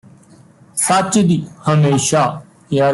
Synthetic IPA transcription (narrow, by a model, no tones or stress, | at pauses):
sət͡ʃd̪iːhəmeːʃaː | jaː